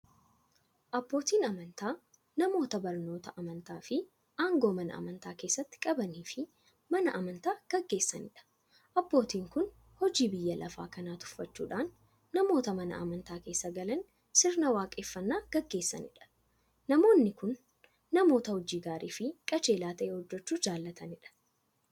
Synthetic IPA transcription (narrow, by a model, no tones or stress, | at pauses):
ʔɐbːo̞ːt̪iːnɐmɐnt̪aː | nɐmo̞ːt̪ɐbɐɾno̞ːt̪ɐʔɐmɐnt̪aːfɪ | ʔaːŋɡo̞ːmɐnɐ̰ʔɐ̰mɐnt̪aːke̞ːsːɐt̪ːɪ̥kʼɐbɐniːfɪ | mɐnɐʔɐmɐnt̪aːɡ̥ɐɡːe̞ːsːɐ̰nɪᶑɐ̥ | ʔɐbːo̞ːt̪iːŋkʊn | hɔd͡ʒiːbɪjːɐlʔɐfa̰ːkɐnaːt̪ʊ̥fːɐt͡ʃːṵːᶑaːnː | ɐmo̞ːt̪ɐmɐnɐ̰ʔɐ̰mɐnt̪aːke̞ːsːɐɡɐlɐn | sɪɾnɐwaːkʼeːfːɐnːaːɡ̥ɐɡːe̞ːsːɐ̰nɪᶑɐ̥ | nɐmo̞ːnːɪkʊnː | ɐmo̞ːt̪ɐhɔd͡ʒiːɡaːɾiːfɪkʼɐt͡ʃe̞ːlaːt̪ɐʔeːhɔd͡ʒːɛt͡ʃːuːd͡ʒaːlːɐt̪ʰɐnɪᶑɐ̥